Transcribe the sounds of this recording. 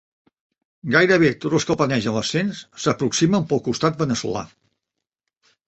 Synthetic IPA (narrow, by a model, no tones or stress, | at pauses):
ɡajɾəβ̞et̪od͡zlˠskəlˠpənɛʒənləsːenssəpɾuksiməmpəlˠkust̪at̪̚bənəsṵla̰